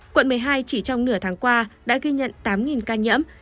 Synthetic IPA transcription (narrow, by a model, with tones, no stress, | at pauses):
kwə̰˧˨nmɨ˨˩əjɦaː˧jt͡ɕi˧˩t͡ɕɔ˧wŋ͡mnɨ˧˩ət̪ʰaː˨˦ŋkwaː˧ɗa̰ː˧˥ɣi˧ɲə̰˧˨nt̪aː˨˦mŋi˨˩nkaː˧ɲə̰˧˥əm